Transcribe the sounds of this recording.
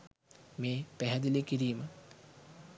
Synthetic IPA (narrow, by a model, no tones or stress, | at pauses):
meːpæɦɛd̪ilekiɾiːmə